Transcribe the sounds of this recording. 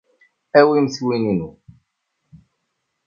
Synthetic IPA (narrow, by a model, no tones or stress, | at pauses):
æwimθwininu